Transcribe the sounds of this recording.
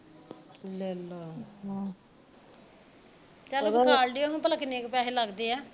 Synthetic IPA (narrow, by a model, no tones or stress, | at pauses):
lɛlːaː | t͡ʃəːlkaaːlɖiːoɦũpəlaːkɪneːkːpaːɦeːləɡd̪eːɛː